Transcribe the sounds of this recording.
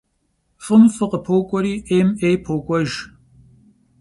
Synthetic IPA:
fʼɨmfɨqəpʰowkʷʼɔɾiːʔeːmeːjpʰowkʷʼɔʒ

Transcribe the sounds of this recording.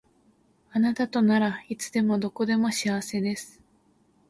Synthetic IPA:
anat̪at̪o̞naɾait͡sɨd̪e̞mo̞d̪o̞ko̞d̪e̞mo̞ɕiaβase̞d̪e̞sɨ̥

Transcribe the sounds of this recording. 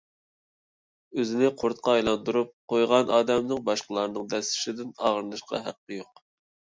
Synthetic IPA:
øzɪnɪqʰoɾt̪̚qʰɑːjlˠɑnd̪uɾup̚qʰojʁɑnʔɑːd̪ɛmnɨŋbɑʃqəlˠɑɾnɨŋd̪ɛsɪ̥ʃɪd̪ɪnɑ̰ʁəɾɨnɨʃqɑ̰ɦæ̰qːəjoq

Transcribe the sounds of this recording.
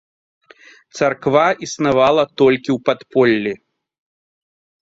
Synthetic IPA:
t̪sarkvaʔisnavalˠɐt̪ɔlʲkʲiwpat̪pɔlʲːi

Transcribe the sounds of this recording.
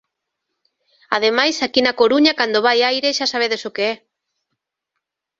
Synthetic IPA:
að̞emajsakinakoɾuɲakand̪oβajajɾeʃasaβ̞eðesokeɛ

